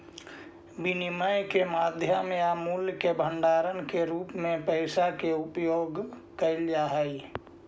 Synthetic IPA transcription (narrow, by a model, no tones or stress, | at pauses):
biniməjkemad̪ʱjəmeamuljkebʱəɳɖaɾənkeɾuːpmẽpəɪsakeupjoɡ | kəɪld͡ʒaɦəj